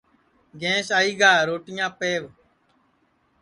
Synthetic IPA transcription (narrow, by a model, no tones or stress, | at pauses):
ɡẽːsaːiːɡaːɾoːʈɪjãːpeːʋ